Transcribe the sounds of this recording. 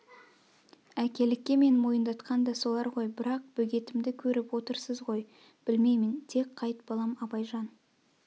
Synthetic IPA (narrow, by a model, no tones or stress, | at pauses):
ækʲe̞lɪkʲːe̞me̞nmo̞jənd̪ɑt̪qɑnd̪ɑso̞lˠɑɾʁo̞jbɪɾɑq̚b̥ɵɡʲe̞t̪ɪmd̪ɪkʲʰɵɾɪpwo̞t̪əɾsəzʁo̞j | b̥ɪlme̞jmɪnt̪ʰe̞kqʰːɑjt̪bɑlˠɑmɑbɑjʒɑn